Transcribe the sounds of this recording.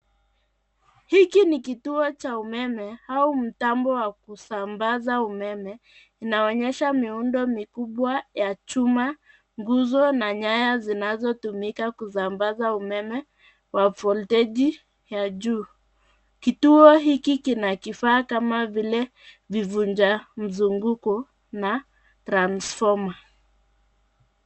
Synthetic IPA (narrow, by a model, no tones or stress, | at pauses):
hikinikituɔt͡ʃaumɛmɛhaum̩tambɔwakusambazaumɛmɛ | inaɔɲɛʃamiundɔmikuɓwajat͡ʃuma | ŋɡuzɔnaɲajazinazɔtumikakuzambazaumɛmɛ | wafɔltɛʄi | jaʄuː | kituɔɦikikinakifaːkamavilɛ | vivuɲd͡ʒam̩zuŋɡukɔ | na | tɾansfɔma